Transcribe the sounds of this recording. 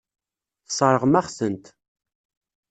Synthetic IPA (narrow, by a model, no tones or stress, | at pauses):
θsˤɑɾˤəʁmæχsənt̪